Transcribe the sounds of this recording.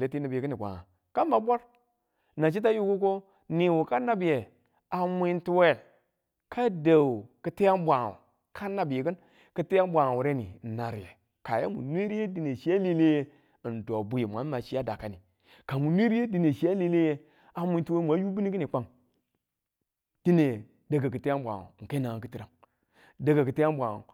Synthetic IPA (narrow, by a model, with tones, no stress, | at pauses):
le˦ti˦na˨bi˨kɨ˦ni˨ɡʷa̰˨ŋa̰˨ | ka˦m˦ba˨bʷa˦ɾ | na˨ʃ̬i˦t̬a˦ju˦ku˦ko˦ | ni˨wu˨ka˦na˦bi˨je˨ | a˨mʷi˦nti˦we˦˨l | ka˦da˨wu˨kɨ˦te˦ja˦m˦bʷa˨ŋa̰˨ | kʰa˦na˦bi˨je˨kɨ˦n | kɨ˦te˦ja˦m˦bʷa˨ŋa˨wu˨ɾe˦nḭ˨na˨ɾḭ˨ḛ˨ | ka˨je˦mṵ˨nʷ˦e˦ɾi˦e˦di˦ne˨ʃi˦a˦li˦le˦je˦˨ | ndo˨bu˦je˨mʷ˨a˨˦ma˨ʃi˦ja˦da˨ka˨ni˨ | ka˨mu˨nʷ˦e˦ɾi˦je˦di˦ne˨ʃi˨˦ja˦li˦le˦je˦ | a˨mʷi˦nti˦e˦˨mʷ˨a˨˦ju˦bi˦ni˦ki˦ni˨k͡pa˨ŋ | d̥i˦ne˨ | da˨ɡa˨kɨ˨te˦a˦mbʷa̰˨o̰˨ke˦na˨a˨kɨ˦ti˨ɾa˨ŋ | da˨ɡa˨kɨ˨te˦ja˦mbʷa˨ŋo̰˨